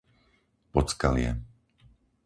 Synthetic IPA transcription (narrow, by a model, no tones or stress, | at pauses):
pɔt͡skalɪɛ̰